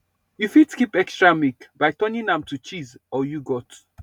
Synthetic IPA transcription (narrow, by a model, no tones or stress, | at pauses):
jufidskipɛkstɹamikbaɪtɔnĩnãmtʰut͡ʃizɔjuɡɔt